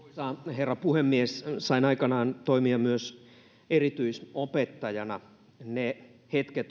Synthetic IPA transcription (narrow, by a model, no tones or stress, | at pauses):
osɑːherːɑpuhemːiessɑinɑikɑnɑːnt̪oimiɑmyøs | erit̪yisopet̪ːɑjɑnɑ | nehet̪ket̪